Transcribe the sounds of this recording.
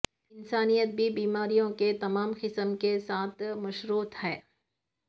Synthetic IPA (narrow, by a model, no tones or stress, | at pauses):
ɪnsaːnijət̪̚bʱibiːmaːɾijõket̪ɐmaːmqɪsəmkesaːt̪ʰmɐʃɾuːt̪hɛː